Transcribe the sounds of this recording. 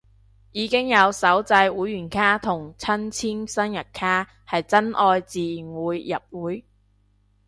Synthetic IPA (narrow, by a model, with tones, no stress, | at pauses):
jiː˨˧kɪ˥ŋjɐ˨˧wsɐ˨˥wt͡sɐ˧jwuː˨˥jːyː˨˩nkʰaː˥t̪ʰʊ˨˩ŋt͡sʰɐ˥nt͡sʰiː˥nsɐ˥njɐ˨t̚kʰaː˥ | hɐ˨jt͡sɐ˥nʔɔː˧jt͡siː˨˩ŋuː˨˧˥jjɐ˨p̚wuː˨˥j